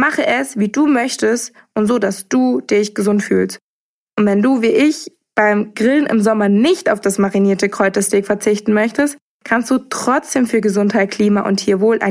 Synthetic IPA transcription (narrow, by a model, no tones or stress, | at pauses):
maχəʔɛsviːduːmœçtəst | ʔʊntz̥oːdasd̥uːd̥ɪçɡ̥əzʊntfy̰ːlst | ʔʊntvɛnduːviːʔɪç | b̥aɪmɡʁɪlənʔɪ̰mzɔmɐnɪçtaʊfd̥asmaʁiniːɐtəkʁ̥ɔʏtɐsteːkfɛɐt͡sɪçtn̩mœçtəst | kʰanstd̥uːtʁ̥ɔt͡sd̥eːmfyːɐɡəzʊnthaɪt̚kʰl̥iːmaʔʊ̰nthiːɐvoːlʔa̰ɪ